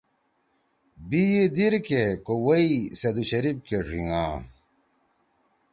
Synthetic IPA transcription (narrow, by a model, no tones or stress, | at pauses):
bijed̪iɾkekowɐisɐd̪uɕɐɾib̚keʈ͡ʂḭŋã̰ː